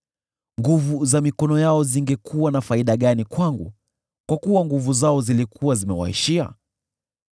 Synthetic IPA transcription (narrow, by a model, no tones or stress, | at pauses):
ŋɡuvuzamikɔnɔjaɔziŋɡɛkuwanafaiɗaɠanikwaŋɡu | kwakuwaŋɡuvuzaɔzilikʰuwazimɛwa̰ḭʃia̰